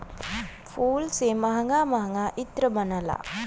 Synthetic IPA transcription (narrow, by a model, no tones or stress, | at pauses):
fuːlseːmɐɦɐŋɡaːmɐɦɐŋɡaːʔit̪ɾəbɐnɐla̰